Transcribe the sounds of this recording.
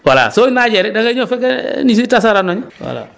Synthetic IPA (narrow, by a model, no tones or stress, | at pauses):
wala̰soinaɟɛɾɪdaŋeɲofɛkɛnis̬itas̬aɾanoɲiwa̰la̰